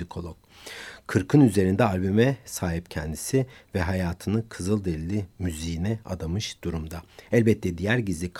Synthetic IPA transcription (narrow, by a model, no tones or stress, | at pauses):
ikʰo̞lˠɔk | kʰɯɾkʰɯnyze̞ɾind̪ɛalʲbymɛsaːɦipcʰɛnd̪isivɛɦajaːt̪ʰɯnɯkʰɯzɯlˠd̪elilʲːimyzijinɛa̰d̪amɯʃd̪̥uɾumd̪aælʲbɛt̪ʰːɛd̪ijæɾɟizlʲikʰ